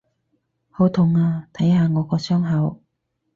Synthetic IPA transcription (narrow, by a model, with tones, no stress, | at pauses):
ho˨˥wt̪ʰʊ˨˧ŋaː˧t̪ʰɐ˨˥jhaː˨˧ŋɔː˨˧kɔː˧sœː˥ŋɦɐ˨˧w